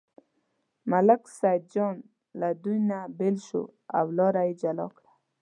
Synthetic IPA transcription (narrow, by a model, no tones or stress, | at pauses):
malaksajd̪̚d͡ʒɔn | lad̪ujnabɪlʃṵa̰wlɔɾajid͡ʒalɔ̰kɽḁ